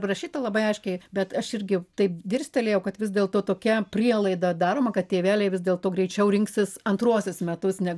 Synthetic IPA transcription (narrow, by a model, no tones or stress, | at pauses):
rɐʃʲiːt̪ɐlˠɐbɐɪɐɪʃʲkʲɛɪbʲɛt̪ɐʃɪɾʲɡʲɪt̪ɐɪpd̪ʲɪɾʲsʲt̪ʲɛlʲeːjɛʊkɐt̪ʋʲɪsʲd̪ʲeːlˠt̪oːt̪oːkʲɛpʲrʲiɛlˠɐɪd̪ɐd̪ɑːɾoːmɐkɐt̪tʲeːʋʲæːlʲɛɪʋʲɪs̬ʲd̪ʲeːlˠt̪oːɡɾʲɛɪt͡ʃʲɛʊɾʲɪŋksʲɪsɐnt̪ɾuɔsʲɪsmʲɛt̪ʊsnʲɛ